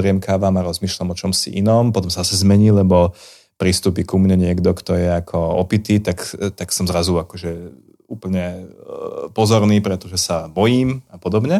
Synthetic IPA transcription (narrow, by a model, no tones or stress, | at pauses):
ɾɪɛmkaːʋaːmaɾɔzmiːʃlamɔt͡ʃɔmsḭʔinɔmpɔt̪ɔmsaasɛzmɛɲiːlɛbɔ | pɾist̪uːpikumɲɛɲɪɛɡd̪ɔkt̪ɔjɛakʰɔɔpit̪iːt̪akt̪aksɔmzɾazuakɔʒɛ | uːpl̩ɲɛ | pɔzɔɾniːpɾɛt̪ɔʒɛsabɔjiːmapɔd̪ɔbɲɛ